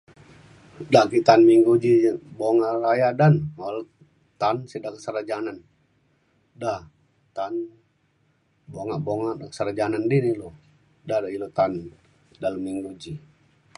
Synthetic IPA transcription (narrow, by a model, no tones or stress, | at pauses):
dakit̪anmiŋɡud͡ʒiboŋarajadanmalo | t̪ansidakəsəɾad͡ʒanan | da | t̪an | boŋaʔboŋaʔsəɾad͡ʒanandinilo | dadailot̪an | daləmːiŋɡud͡ʒi